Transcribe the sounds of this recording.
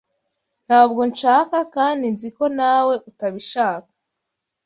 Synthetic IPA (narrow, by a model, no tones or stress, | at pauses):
n̥haːbɡo̞nt͡ʃaːkakaːndinziko̞naːwe̞ʔutaβiʃaːkḁ